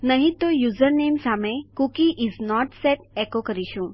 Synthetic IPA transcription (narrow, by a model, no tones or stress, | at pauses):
nəɦĩt̪ojuːzəɾneːmsamẽkukiʔiznɔʈsɛʈekokəɾiʃũ